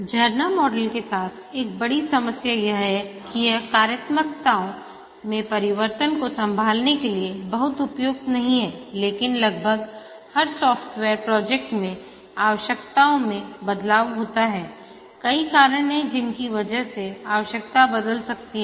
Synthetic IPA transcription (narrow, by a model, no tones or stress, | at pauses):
d͡ʒʱɐɾnamɔːɖəlkesaːt̪ʰeːk̚bɐɽisɐməsjajɐɦɦɛkijɛkaːɾjət̪mək̚t̪aːõ | mẽpɐɾɪʋəɾt̪ənkosɐ̃mbʱaːlnekeliebɐɦʊt̪ʊpjoːɡ̚t̪nɐɦĩɦɛːleːkɪnlɐɡ̚bʱəɡ | hɐɾsɔːfʈʋɛːɾpɾɔːd͡ʒɛːk̚ʈmẽ | aːʋəʃjəkt̪aːõmẽbɐd̪laːʋɦoːt̪aɦɛː | kɐikaːɾəɽ̃ɦɛ̃d͡ʒɪnkiʋɐd͡ʒəɦseaːʋəʃjək̚t̪abɐd̪əlsɐk̚t̪iɦɛ